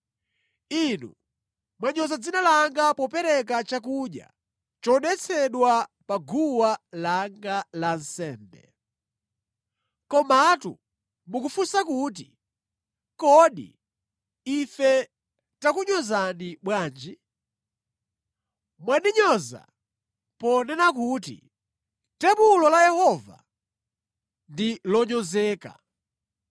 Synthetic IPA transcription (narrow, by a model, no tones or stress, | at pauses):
inṵ | mwaɲɔzad͡zinalaŋɡapɔpɛɾɛkat͡ʃak̬uɗja̰ | t͡ʃɔnɛt͡sʰɛɗwapaɡuwalaŋɡalan̩sɛːmbɛ̰ | kɔmatṵ | mukufusakut̬i | kɔɗḭ | ifɛ | takuɲɔzaniɓwaːnd͡ʒi | mwaɗiɲɔza̰ | pɔnɛnakutḭ | tɛpulɔlajɛhɔva̰ | ndilɔɲɔzɛːka̰